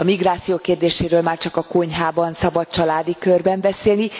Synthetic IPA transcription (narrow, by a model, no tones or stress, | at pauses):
ɒmiɡraːt̪sijoːkeːrd̪eːʃeːɾøːlmaːrt͡ʃɒkɒkoɲɦaːbɒnsɒbɒt̪̚t͡ʃɒlaːd̪ikørbɛmbɛseːlni